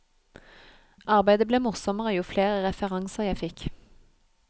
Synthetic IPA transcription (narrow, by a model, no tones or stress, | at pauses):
ʔɑʁbæɪd̪əbleːmʊʁsɔməʁəjuːfleːʁəʁɛfəʁɑŋsəʁjæɪfɪk